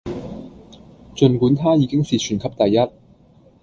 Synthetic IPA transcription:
t͡sɵ˨˧nkuː˨˥nt̪ʰaː˥jiː˨˧kɪ˥ŋsiː˨˩t͡ʃʰyː˨˩nkʰɐ˨˥p̚t̪ɐ˨jːɐ˥t̚

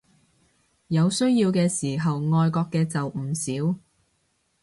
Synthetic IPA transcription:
jɐ˨˧wsɵ˥ɥjiː˧wkɛː˧siː˨˩ɦɐ˨wŋɔː˧jkɔː˧kːɛː˧t͡sɐ˨w̩˨˩siː˨˥w

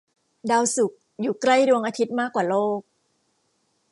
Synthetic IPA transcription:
daː˧wsu˨˩k̚ | juː˨˩kla˥˩jdu˧əŋʔaː˧t̪ʰi˦˥t̪̚maː˥˩kːwaː˨˩loː˥˩k̚

